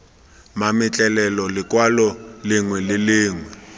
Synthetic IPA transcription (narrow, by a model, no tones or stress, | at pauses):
mamɪt͡ɬʼɛlɛlɔlɪkʼwalɔlɪŋwɛlɪlɪːŋwɛ